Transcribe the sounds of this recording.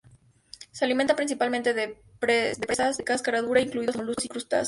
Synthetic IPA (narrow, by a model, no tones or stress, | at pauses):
sealiment̪apɾins̬ipalmẽnt̪eðe | ped̪epɾesazðekaskaɾaðuɾaiŋkluiðamoluosikɾust̪a̰s